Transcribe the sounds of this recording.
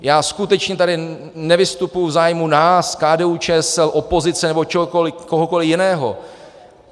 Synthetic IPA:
jaːskut̪ɛt͡ʃɲɛt̪adɪ | nɛvɪst̪upujvzaːjmunaːskaːdɛːut͡ʃɛːsɛlʔo̞po̞zɪt͡sɛnɛbot͡ʃɛkolɪkoɦoko̞lɪjɪnɛːɦo̰

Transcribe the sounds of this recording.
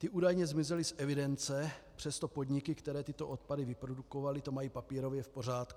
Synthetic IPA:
t̪ɪʔuːdajɲɛzmɪzɛlɪsʔɛvɪdɛnt͡sɛpr̝̥ɛst̪o̞po̞d̪ɲɪkɪkt̪ɛɾɛːt̪ɪt̪o̞ʔo̞t̪̚padɪvɪpɾoduko̞valɪt̪o̞majiːpapiːɾo̞vjɛfpo̞r̝aːt̪ku

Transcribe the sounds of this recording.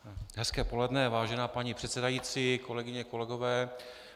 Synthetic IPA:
ɦɛskɛːpo̞lɛdnɛvaːʒɛnaːpaɲipr̥ɛt̪sɛdajiːt͡siːkolɛɡɪɲɛko̞lɛɡo̞vɛː

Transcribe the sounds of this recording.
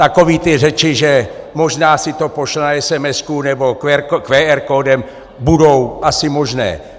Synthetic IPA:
t̪ako̞viːt̪ɪrɛt͡ʃɪʒɛ | mo̞ʒnaːsɪt̪opoʃlɛnaɛsɛmɛskunɛbo̞kɛkʋɛːɛɾkoːdɛm | budo̞wʔasɪmo̞ʒnɛ̰ː

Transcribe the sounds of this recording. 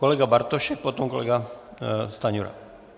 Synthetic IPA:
koleɡabaɾt̪oʃɛk̚pot̪omkolḛɡa | st̪aɲuɾa̰

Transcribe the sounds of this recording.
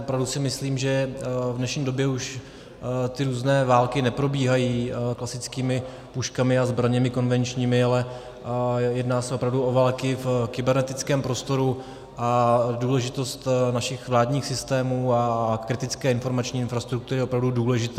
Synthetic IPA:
opɾavdusɪmɪsliːmʒɛvdnɛʃɲiːdo̞bjɛuʃ | t̪ɪɾuːznɛːvaːlkɪnɛpɾo̞biːɦajiːklasɪt͡skiːmɪ | puʃkamɪazbɾaɲɛmɪko̞nvɛnt͡ʃɲiːmɪalɛ | jɛdnaːsɛo̞pɾavduo̞vaːlkɪfkɪbɛɾnɛt̪ɪt͡skɛːmpɾo̞st̪o̞ɾu | ʔaduːlɛʒɪt̪o̞st̪naʃɪxvlaːdɲiːxsɪst̪ɛːmuːakɾɪt̪ɪt͡skɛːɪnfo̞ɾmat͡ʃɲiːɪnfɾast̪ɾuk̚t̪uɾɪo̞pɾavduduːlɛʒɪt̪ɛː

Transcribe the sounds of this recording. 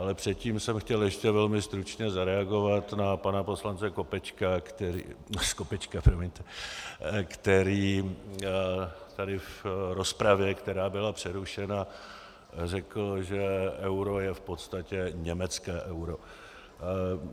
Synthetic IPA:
ʔalɛpr̝̥ɛt̪ciːmsɛmxcɛljɛʃcɛvɛlmɪst̪ɾut͡ʃɲɛzaɾɛaɡo̞vat̪napanapo̞slant͡sɛko̞pɛt͡ʃkakt̪ɛɾ̰skopɛt͡ʃkapɾomɛɲt̪ɛ | kt̪ɛɾiː | t̪adɪfɾo̞spɾavjɛkt̪ɛɾaːbɪlapr̝̥ɛɾuʃɛna | r̝ɛkl̩ʒɛɛwɾo̞jɛfpo̞t̪st̪acɛɲɛmɛt͡skɛːʔɛwɾo̞

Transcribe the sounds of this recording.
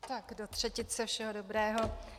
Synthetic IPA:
t̪akdo̞t̪r̝̥ɛcɪt̪sɛfʃɛɦo̞do̞bɾɛːɦo̞

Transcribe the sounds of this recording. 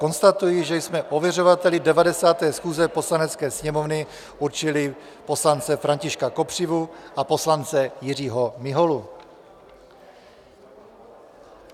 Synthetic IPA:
ko̞nst̪at̪ujɪʒɛjsmɛʔovjɛro̞vat̪ɛlɪdɛvadɛsaːt̪ɛːsxuːzɛpo̞slanɛt͡skɛːsɲɛmovnɪ | ʔuɾt͡ʃɪlɪ | po̞slant͡sɛfɾaɲcɪʃkako̞pr̝̥ɪvuʔapo̞slant͡sɛjɪr̝iːɦo̞mɪɦolu

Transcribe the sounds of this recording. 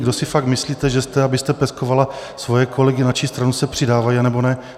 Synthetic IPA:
ɡdosɪfakmɪsliːt̪ɛʒɛst̪ɛabɪst̪ɛpɛskovala | svo̞jɛkʰo̞lɛɡɪnat͡ʃist̪ɾanusɛpr̥ɪdaːvajanɛbo̞nɛ

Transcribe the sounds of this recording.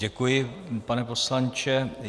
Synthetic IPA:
ɛkujɪpanɛpo̞slant͡ʃɛ

